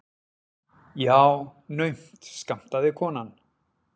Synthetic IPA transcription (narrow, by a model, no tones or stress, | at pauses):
jaːwnœɥm̥t̪skam̥t̪aðɪkʰɔːnan